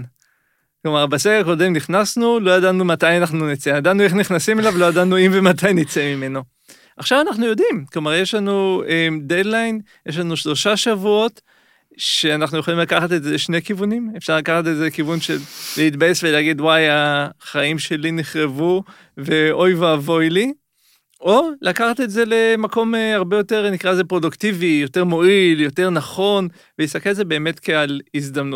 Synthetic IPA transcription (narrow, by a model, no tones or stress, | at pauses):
klo̞maʁbasekako̞de̞mniχnasnulo̞jadanumat̪ajanaχnunit͡saimjad̪anue̞χniχnasimelavlo̞jadanuimve̞matajnit͡seimime̞no̞ | ʔaχʃavanaχnujo̞d̪imklo̞maʁje̞ʃlanuemd̪ed̪lajn | jeʃlanuʃlo̞ʃaʃavuo̞t̪ | ʃe̞anaχnujo̞χolimlakaχat̪eze̞ʃne̞kivunimefʃaʁlakaχatetzekivunʃe̞lːeit̪̚bajesveleaɡidwajaχaimʃe̞liniχʁevu | ve̞o̞jvaːvo̞jli | ʔo̞lakaχatetze̞le̞mako̞meaʁbejo̞teʁnikʁaezepʁo̞duktivijo̞te̞ʁmo̞iljo̞te̞ʁnaχo̞n | veisakelze̞be̞ːmetkealizd̪amnut